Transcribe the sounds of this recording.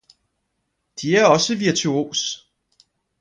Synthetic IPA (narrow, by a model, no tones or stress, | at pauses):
d̥iæɐɒ̽səʋiɐt͡sʰuo̝̰ːs